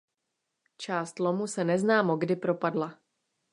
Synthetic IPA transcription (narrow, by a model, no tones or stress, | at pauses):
t͡ʃaːst̪lomusɛnɛznaːmoɡdɪpɾo̞padla